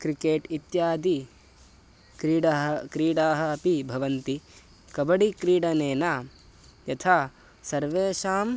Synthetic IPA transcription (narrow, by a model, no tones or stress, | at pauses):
kɾikeːʈit̪jaːd̪i | kɾiɖɐɦɐkɾiːɽaːɦɐ̆ːpibʱɐʋɐnt̪i | kɐbɐɽikɾiːɽɐneːnaː | jɐt̪ʰaː | sɐɾʋeːʃaːm